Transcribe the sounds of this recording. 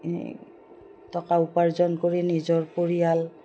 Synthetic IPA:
tɔkaupaɹzɔnkoɹinizɔɹpoɹijal

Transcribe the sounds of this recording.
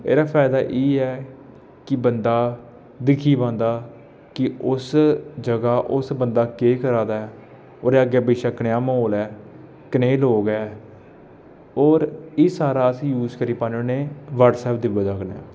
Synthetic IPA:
ḛːɾaːpʰɛːɪd̪aːʔeːɛː | kɪbənd̪aː | d̪ɪkʰiːbãːnd̪aː | kɪʊsd͡ʒəɡaːʔʊsbənd̪aːkeːkəɾãːd̪aːɛː | oːɾeːəɡeːbɪːʃaːknjaːmoːlɛː | kəneːloːɡɛː | oːɾiːsaːɾaːəsĩːjuːzkəɾiːpãːnõːneːʋəɾʈsɛːp̚d̪ɪbəd͡ʒaːɡna̰ː

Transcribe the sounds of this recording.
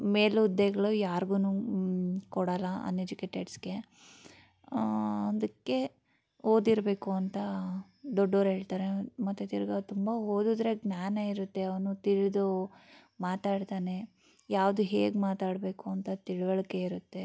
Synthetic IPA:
me̞ːlud̪ːeɡɐɭujaːɾɡuːnuː | kɔɽɐlɐɐ̰nːed͡ʒikeʈeɖsɡe̞ | ɐd̪ɐkːe̞ | oːd̪iɾbe̞ːkuɐnt̪ɐ | d̪ɔɖːoːɾɦeːɭt̪aːɾe̞mɐt̪ːet̪iɾɐɡɐt̪umbɐɦoːd̪ud̪ɾe̞ɡnaːnaiɾut̪ːe̞ɐʋɐnut̪iɭd̪u | maːt̪aːɽt̪aːne̞ | jaːʋd̪uɦeːɡmaːt̪aːɽbe̞ːkuɐnt̪ɐt̪iɭʋɐɭɐke̞iɾut̪ːe̞

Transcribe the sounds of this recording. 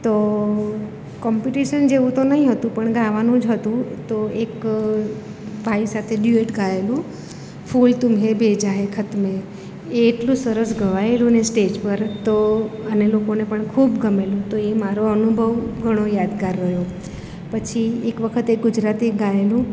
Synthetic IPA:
t̪o | kɔmpiʈiʃənd͡ʒeʋũt̪onəɦĩɦət̪ũpəɳɡaʋanũd͡ʒɦət̪ũt̪oek | bʱaisat̪ʰeɗjueʈɡaelũ | fʰult̪umɦebed͡ʒaɦekʰət̪me | eːʈlũsəɾəsɡʱəʋaelũnesʈed͡ʒpəɾt̪oənelokonepəɳkʰubɡəmelũt̪oemaɾoənubʱəʋɡʱəɽ̃ojad̪kaɾːəɦjo | pət͡ʃʰiekʋəkʰət̪eɡʊd͡ʒɾat̪iɡaelũ

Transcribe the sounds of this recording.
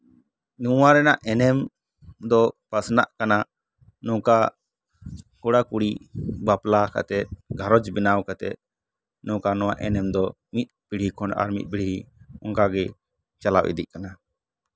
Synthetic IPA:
nuwaɾɛnaʔɛnɛm | d̪ɔpasna̰ʔkana | nɔ̃ka | kɔɽakuɽibaplaka̰t̪ɛt̪̚ɡʱaɾɔd͡ʒbinawkat̪ɛ̰t̪̚ | nɔ̃kanɔ̃wa̰ʔɛnɛmd̪ɔ | mit̪̚piɽɦikʰɔnʔa̰ɾmḭt̪̚ˀpiɽɦiɔ̰ŋkaɡɛ | t͡ʃalawʔḭd̪iʔ̚kana

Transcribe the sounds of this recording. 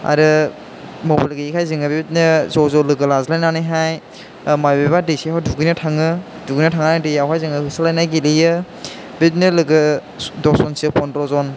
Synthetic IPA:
a̰ɾɯ | mobalɡiikʰajziŋɯbibit̚nɯzɔzɔlɯɡɯlazɯlajnanijɦaj | majbabadisiɦawduɡɯjnɯtʰaŋɯ | duɡɯjnɐtʰaŋandijawkʰajzɯŋɯhɯsalajnajɡilijɯ | bit̚nɯlɯɡɯ | dɔsɔnsepʰɔndɾɔzɔn

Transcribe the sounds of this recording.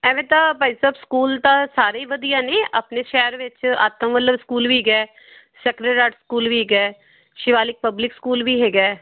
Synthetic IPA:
ɛːʋẽːt̪ãːpaːisaːbskuːlt̪ãːsaːɾeiːʋəd̪ijãːneːʔaːpneːʃɛːɾʋɪt͡ʃa̰ːt̪əmʋələʋskuːlʋiːɡɛː | sɛːkɾəɾaːʈskuːlʋiːɡɛː | ʃɪʋaːlɪk̚pəblɪkskuːlʋiːɦeːɡɛː

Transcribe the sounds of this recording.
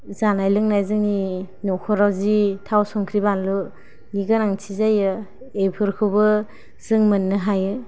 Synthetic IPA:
zanajlɯŋnajzɯŋni | nɔkʰɔɾawzitʰawsɔŋkʰɾibanlu | niɡanaŋtʰizajɯ | ejpʰɯɾkʰɯwbɯ | z̥ɯŋmɯnːɯɦajɯ

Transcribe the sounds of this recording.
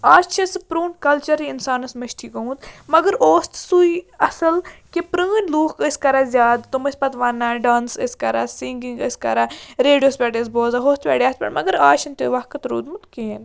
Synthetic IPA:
aːt͡ʃʰɐspɾuːnkɐlt͡ʃɐɾiɪnsaːnɐsmɐʃʈ̪ʰiːkəũd̪mɐɡəɾoːst̪suiɐsɐlkepɾəːnʲluːkkəsʲkɐɾaːzʲjaːd̪t̪umɐsʲpɐt̪ʋanːaɖaːnsə̰skɐɾa̰ːsiŋɡiŋɡəskɐ̰ɾaɾeːɖijoːspʲɛːɖes̬boːzaːɦoːst̪pʲɛ̰ːɽʲaːspɐ̰ɳmɐ̰ɡəɾaːʃɐnt̪eːʋɐhkɐt̪ɾṵːd̪mut̪keːn

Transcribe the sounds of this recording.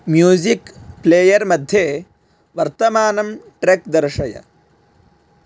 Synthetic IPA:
mjuːzikpleːjɐɾmɐd̪ʱje | ʋɐɾt̪ɐmaːnɐmʈɾekd̪ɐɾʂɐjɐ̰

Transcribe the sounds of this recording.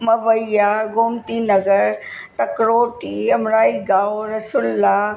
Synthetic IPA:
mɐʋɐijaɡoːmt̪inɐɡəɾ | t̪ɐkɾoːʈiɐmɾaːiɡaːoɾɐsuːlːaː

